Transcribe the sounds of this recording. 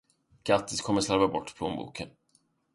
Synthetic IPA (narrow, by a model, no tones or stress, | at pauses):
ɡ̥at̪ːɪskʰɔmːəslaɾvabɔʈːpʰloːnbṵːkʰən